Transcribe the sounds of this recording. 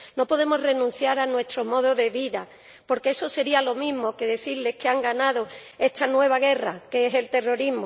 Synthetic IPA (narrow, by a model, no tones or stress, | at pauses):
no̞po̞ðe̞mo̞zre̞nũn̟θjaɾanwe̞st̪ɾo̞mo̞ð̞oðe̞βiða | po̞ɾke̞eso̞se̞ɾialo̞mĩɦmo̞ke̞ðe̞θiɾle̞hkeaŋɡanaðo̞e̞st̪anwe̞β̞aɣ̞e̞rakeeɦe̞lt̪e̞ro̞ɾiɦmo